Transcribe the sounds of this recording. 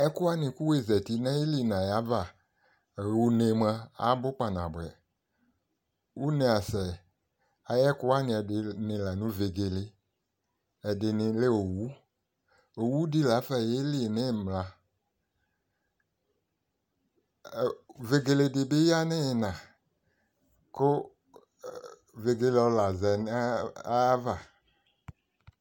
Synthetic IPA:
ɛ˦ku˦a˦nĩ˨ku˦we˦˨zɛ˨t̪i˦nɛ̃˦e˦li˨nã˨ja˦va˨ | wu˦ne˨mɛ̃˦a̰˨˦bʊ˦k͡pa˨nã̰˨bɛ̰˨ | wu˦nẽ˨a˨sɛ˨ | a˨jɛ˦ku˦a˦nĩ˨ɛ˨dɪ˨nɪ̃˨la˨nũ˦ve˨ɡe˨le˨ | ɛ˨dɪ˨nɪ̃˨le˦o˨wu˦ | o˨wu˦di˦la˨˦fɛ˨je˦li˦˨nẽ˦˨mla˨ | ve˨ɡe˨le˨dɪ˨be˦ja˦nẽ˦˨nã˨ | ko˦ | ve˨ɡe˨le˦ɔ˨˧la˨zɛ˨n˦a˦va˦˨

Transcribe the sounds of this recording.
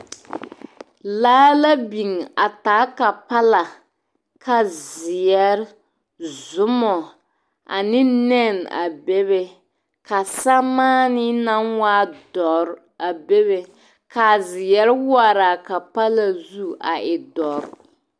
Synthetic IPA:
laː˦la˦bi˨ŋa˨taː˨˦ka˨pa˦la˨ | ka˨zɪ˨jɛ˦ɾ | zʊ˦mɔ˨ | a̰˨nɪ˦nɛ˦na̰˨be˦βe˦ | ka˨sa˦maː˦nɪ˦na˦nwaː˦dɔ˨ɾ | a˨be˦βe˨ | ka˨zɪ˨jɛ˨˦ɾwa˦ɾa˨ka˨pa˦la˨zu˦a˨ɪ˨dɔ˨ɾ

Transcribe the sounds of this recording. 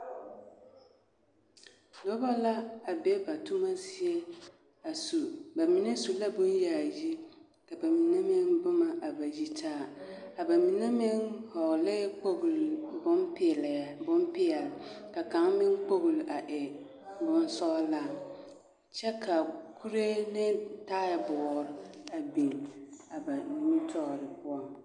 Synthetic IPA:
do˦ba˦la˦a˨be˦ba˨tʰu˦mã˦si˨ɛ˦ | a˨su˨ba˨mĩ˨nã˦su˨la˦bʊ̃˦n˦jɛ˨a˨ji˦ | kʰa˨ba˨mĩ˨nã˦mɪ̃˦nbʊ˦mã˨ʔa˨ba˨ji˨tʰaː˦˨a˨ba˨mĩ˨nã˦mɪ̃˦nhɔ˨lɪ˦k͡po˦ɡu˨lbʊ̃˦npʰɪ˨lɛ˨bʊ̃˦m˦pɪ˦a˨lka˨kã˨˦ŋ˦mɪ̃˦ŋ˦k͡po˦ɡu˨la˨ʔɪ˨ | bʊ̃˦n˦sɔ˦la˨ | t͡ɕʰɛ˦kʰa˨kʰu˦ɾe˦nɪ̃˦ta˦ɪ˨bɔ˨ɾa˨bĩ˨na˨ba˨nĩ˨˦mĩ˦tʰɔː˦˨ɾɪ˨pʰʊ˦ɔ̃˦m

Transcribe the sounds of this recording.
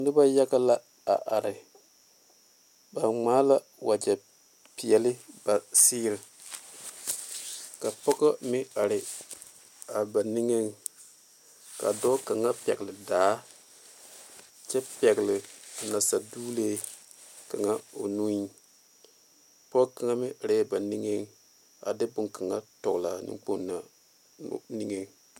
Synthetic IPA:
nɨ˦ba˦ja˦ɡa˦la˦ | a˨ʔa˨ɾɪ˨ | ba˨ŋ͡maː˦la˦ | wa˨d͡ʒɛ˨ | pi˨jɛ˨lɪ˦ba˨siː˦ɾɪ˨ | ka˨pɔ˦ka˦mɪ˦a˨ɾɪ˨ | a˨ba˨ni˦ŋe˦ŋ | ka̰˨dɔ˦ka˨ŋa˦pɛ̰˨ɡlɪ˨daː˨˦ | t͡ʃɛ˦pɛ˨ɡlɪ˨na˨sa˨duː˦le˦ | ka˨ŋa˦o˨nu˦i˦ | pɔ˦ka˨ŋa˦mɪ˦ʔa˨ɾɪ˦a˨ba˨ni˦ŋe˦ŋ˦ | a̰˨dɪ˦bʊ˨ŋka˨ŋa˦tɔ˨ɡla˨nɪ̰˦ŋk͡po˦n˦na̰˨˦ | ni˦ŋe˦ŋ

